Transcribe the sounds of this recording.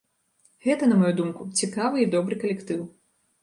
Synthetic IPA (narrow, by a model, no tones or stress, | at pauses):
ɣɛt̪ɐnɐmɐjud̪umkut͡sʲikavɨid̪ɔbɾɨkɐlʲɛkt̪ɨw